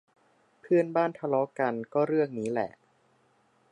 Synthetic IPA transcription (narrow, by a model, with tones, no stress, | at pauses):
pʰɯ˥˩ənbaː˥˩nt̪ʰa˧lɔ˦˧˥ka˧nkɔː˥˩ɾɯ˥˩əŋniː˦˥lɛ̰˨˩ʔ